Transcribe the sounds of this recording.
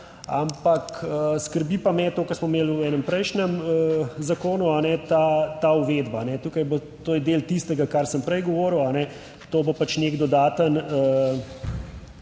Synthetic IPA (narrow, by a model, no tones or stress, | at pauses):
a̰mpakəskəɾbiːpamɛt̪oːkɐɾsmɔmeːluɛːnɛmpɾɛjʃnɛməzakoːnuanɛt̪at̪auʋed̪banɛt̪ukajbot̪ojɛd̪elt̪ist̪ɛɡakaɾsəmpɾɛjɡɔʋɔːɾəwanɛ | t̪oːbopat͡ʃneɡd̪ɔd̪aːt̪ənə